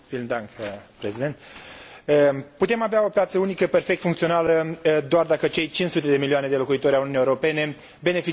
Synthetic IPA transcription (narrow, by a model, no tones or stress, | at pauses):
filnd̪aŋkpɾesid̪e̞nt̪ | əput̪e̞maveao̞pjat̪səunikəpe̞rfek̚t̪fuŋkt̪sio̞naləd̪oard̪akət͡ʃe̞jt͡ʃinsut̪e̞d̪e̞milioane̞d̪e̞lo̞kuit̪o̞ɾʲalununiːeuɾo̞pe̞ne̞ | be̞ne̞fi